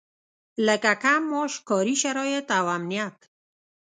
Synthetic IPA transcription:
lɛkakamɔʃkɔːɾiʃaɾɔjet̪awamnijak

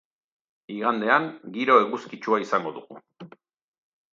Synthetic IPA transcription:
iɣand̪e̞aŋɡiɾo̞eɣuskit͡ʃuaisaŋɡo̞ðuɣṵ

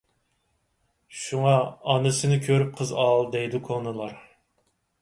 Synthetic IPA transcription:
ʃuŋɑɑnɨsɨnɪkʲʰøɾyp̚qʰəzɑlˠd̪ɛjd̪ɪkʰonɨlˠɑɾ

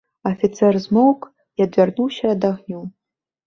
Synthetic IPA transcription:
ɐfʲit̪sɛrzmowk | jad̪vʲarnuwɕɐːd̪aɣnʲu

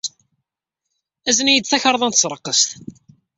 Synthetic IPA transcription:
æzənjəd̪θæçɑɾˤðˤɑnt̪sˤɾˤəqːəst̪

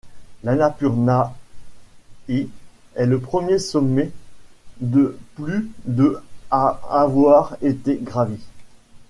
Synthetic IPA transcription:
lanapyʁna | e | ɛləpχəmjesɔmːɛ | d̪əplyd̪əaavwaʁet̪eɡʁave

